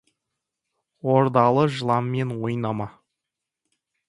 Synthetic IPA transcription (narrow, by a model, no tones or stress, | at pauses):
woɾd̪ɑlˠəʒəlˠɑmːe̞nwojnɑmɑ